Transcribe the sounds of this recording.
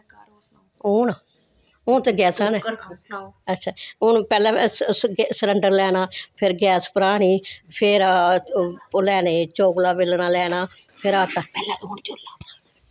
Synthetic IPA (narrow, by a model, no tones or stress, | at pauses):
oːn | ʊ̃ːt̪eːɡɛːsaːnɛ̃ː | ətːʃʰaːʊnpɛːlɛ̃ɡsəɾəɳɖəɾlɛːnaːpʰɪɾɡɛːspəɾaːɽ̃iːpʰɪɾ | lɛːneːt͡ʃoːɡlaːbɪlnaːlɛːnaːpʰɪɾaːʈaːpɛːlaːoːnt͡ʃoːlaː